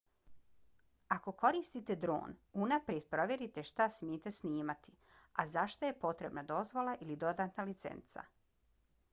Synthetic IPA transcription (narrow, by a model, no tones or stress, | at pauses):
ako̞ko̞ɾiːst̪it̪e̞d̪ɾo̞̰ːnunapɾjed̪̥̚pɾo̞ʋʲje̞ɾit̪e̞ʃt̪asmjet̪e̞sniːmat̪i̥ | azaʃt̪aje̞po̞t̪ɾe̞bnad̪o̞zʋo̞lˠaʔilid̪o̞d̪aːt̪nalit̪sḛnt̪sa̰